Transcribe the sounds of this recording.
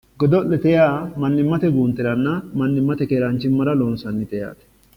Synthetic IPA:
ɡɔd̪ɔlːɛt̪ɛjaːmɐnːɪmːɐt̪ɛɡuːnt̪ɛɾɐnːɐmɐnːɪmːɐt̪ɛkeːɾɐnt͡ʃːɪmːɐɾɐloːnsɐnːɪt̪ɛja̰ːt̪ɛ̥

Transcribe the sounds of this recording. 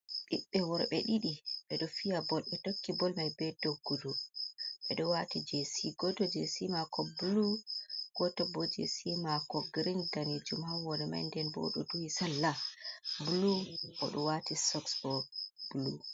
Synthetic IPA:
ɗiɓːɛwɔɾɓɛɗiɗiɓɛɗɔfijabɔlɓɛtokːibɔlmajbɛdoɡːuduɓɛɗɔwatid͡ʒɛsiɡɔdɔd͡ʒɛsimakɔbuluɡ̥ɔtabɔd͡ʒɛ̰simakɔɡɾindaned͡ʒumhawwɔɾɛma̰jndɛnbɔ̰ɗuduwisalːabulukɔɗɔwatisɔksbɔb̥ulu

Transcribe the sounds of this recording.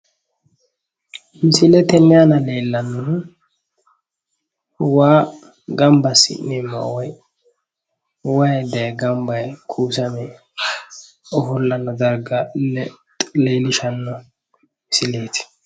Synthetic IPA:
nsɪlɛt̪ɛnːɪanɐle̞ːlːɐnːʊ | waː | ɡɐmbɐsɪ̰nːɛmːɐ̰wɔj | wɐjd̪ɛjɡɐmbɐjkʰuːsɐmɛ | ɔfʊlːɐnːɔd̪ɐɾɡɐ | leːlɪʃɐnːɔ | sɪle̞ːt̪ɪ̥

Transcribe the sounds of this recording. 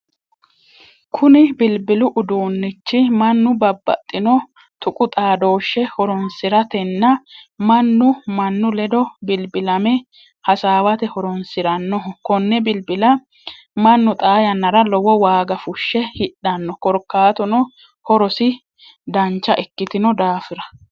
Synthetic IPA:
kʰʊnɪbɪlbɪlʊʔʊd̪uːnːɪt͡ʃːɪmɐnːʊbɐbːɐ̰t̪ʼːɪnɔ | t̪ʊkʼʊt̪ʼaːd̪o̞ːʃːɛhɔɾɔnsɪɾɐt̪ɛnːɐmɐnːʊmɐnːʊlɛd̪ɔbɪlbɪlɐmɛ | hɐsaːwɐt̪ɛhɔɾɔnsɪɾɐnːɔkɔnːɛbɪlbɪlɐ | mɐnːʊt̪ʼaːjɐnːɐɾɐlɔwɔwaːɡɐfʊʃːɛhɪᶑɐnːɔkɔɾkːaːt̪ɔnɔ | hɔɾɔsɪ | d̪ɐnt͡ʃːɐʔɛkːɪt̪ɪnɔd̪aːfɪɾɐ̥

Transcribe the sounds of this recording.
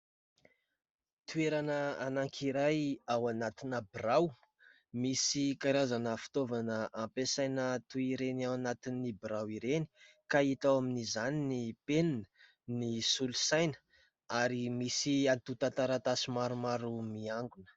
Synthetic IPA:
t̪ueɾanəanaŋkʰiɾajawanat̪inəbraw | misikaɾazanəfi̥t̪ovanəʔampesajnət̪uiɾenawanat̪inːibɾawiɾeni̥ | kait̪awaminizaninipeninə̥ | nisulu̥sajnə̥ | aɾimisiant̪ut̪ãt̪aɾat̪asimaɾumaɾumiaŋɡunə̥

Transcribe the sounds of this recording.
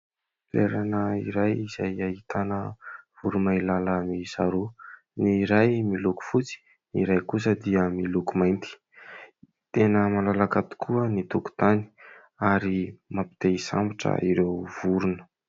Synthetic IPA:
lḛɾanəiɾajiz̥ajaɦit̪anəvuɾumailalənizaɾu | niɾajmiluku̥fut͡si̥ | niɾajkusəd̪iəmilukumajnt̪i̥ | t̪enəmalalakat̪u̥kʰuənit̪uku̥t̪ani̥ | aɾimapi̥t̪esa̰mbiʈ͡ʂə̰iɾewvuɾunə̥

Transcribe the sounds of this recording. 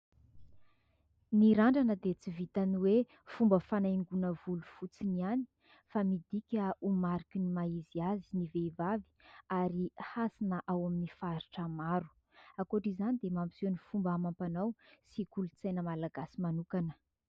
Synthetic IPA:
miɾaɳɖ͡ʐanəd̪et͡sivit̪aniwe | fumbəfanaŋɡunəvulufut͡siniani̥ | famid̪ikʲəumaɾikinimaiziaziniveivavi̥aɾihasinəʔawaminifaɾiʈ͡ʂəmaɾu̥ | akoʈ͡ʂizanid̪emambisunifumbamampanawsikulut͡sajnəmalaɡasimanukanə̥

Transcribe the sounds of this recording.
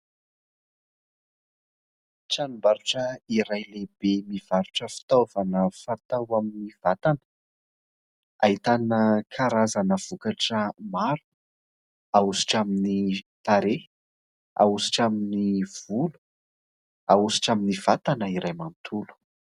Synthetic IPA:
ʈ͡ʂanumbaɾuʈ͡ʂəiɾajlebemiv̥aɾuʈ͡ʂəfi̥t̪ovanəfat̪awaminiv̥at̪anə̥ | aɦit̪anəkʰaɾazanəv̥ukaʈ͡ʂəmaɾu̥ | ausi̥ʈ͡ʂaminit̪aɾe | a̰usi̥ʈ͡ʂaminiv̥ulu̥ | ausi̥ʈ͡ʂaminiv̥at̪anəiɾajmant̪ʰulu̥

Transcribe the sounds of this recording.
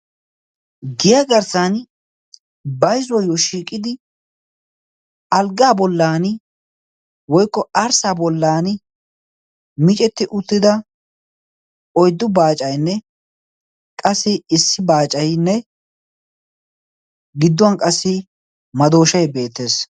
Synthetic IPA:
ɡɪjaɡɐɾsɐn | bɐjzɔjoʃiːkʼːɪd̪ɪ | ɐlɡaːbɔlːaːn | wɔjkːɔɐɾsaːbɔlːaːnɪ | mɪt͡ʃʼɛt̪ːɪʔʊt̪ːɪd̪ɐ | ɔjd̪ːʊbaːt͡ʃʼɐjnːɛ | kʼɐsːɪɪsːɪbaːt͡ʃʼɐjnːɛ | ɡɪd̪ːʊɐnkʼɐsːɪ | mɐd̪o̞ːʃɐjbe̞ːt̪ːe̞ːs

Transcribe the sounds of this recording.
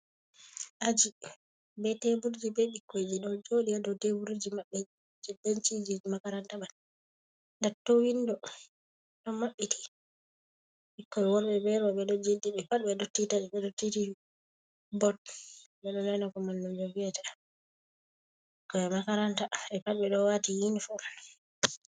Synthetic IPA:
ʔad͡ʒi | bɛtebuɾd͡ʒibɛɓikʰːɔd͡ʒiɗɔd͡ʒoɗijadɔtewuɾud͡ʒimaɓːɛ | d͡ʒɛdant͡ʃid͡ʒid͡ʒimakaɾantaman | ndatːowindɔ | ɗɔmaɓːiti̥ | ɓikːɔɛwɔɾɓɛbɛɾɔɓɛɗɔd͡ʒediɓɛpaɗɓɛɗɔtːitad͡ʒɛɓɛɗɔtːiti | bɔt̚ | ɓɛɗɔnajnakɔmandumd͡ʒɔviɛta | ikːɔjɛmakaɾantaɛpatɓɛɗɔwatijinifua

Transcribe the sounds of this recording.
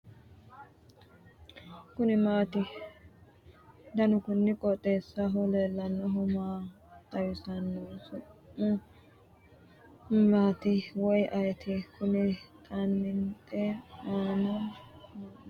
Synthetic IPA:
kʊnɪmaːt̪ɪ | d̪ɐnʊkʊnːɪkʼɔt̪ʼeːsːɐɦɔleːlːɐnːɔɦʊmaː | t̪ɐjɪsɐnːosʊ | maːt̪ɪwɔjʔɐjt̪ʰɪkʊnɪt̪ʼɐnːɪnt̪ʼɛaːnɐ

